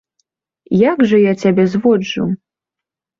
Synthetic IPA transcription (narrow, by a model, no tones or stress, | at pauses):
jaɡʐɐjat͡sʲabʲɛzvɔd͡ʐṵ